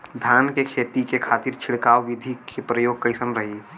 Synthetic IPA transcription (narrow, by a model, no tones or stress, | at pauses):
d̪ʱjaːnkekʰeːt̪ikekʰaːt̪iɾt͡ʃʰɪɭkaːwʋɪd̪ʱikepɾəjoːɡ̚kəɪsənɾəɦi